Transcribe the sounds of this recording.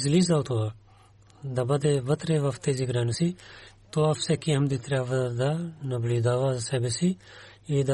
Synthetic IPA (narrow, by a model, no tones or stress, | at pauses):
zlizawt̪ʰoa | d̪ɐbɐd̪eʋɐt̪ɾeʋɐft̪eziɡɾaːnɐsit̪oɐfsekiɐmd̪it̪ɾaːʋɐd̪anɐblid̪aːʋaːzsɛbesi | id̪a